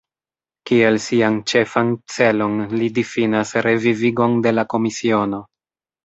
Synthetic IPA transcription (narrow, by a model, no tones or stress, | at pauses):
kie̞lsiant͡ʃe̞fant͡se̞lo̞nlidifinasɾe̞viviɡo̞nde̞lako̞misio̞no̞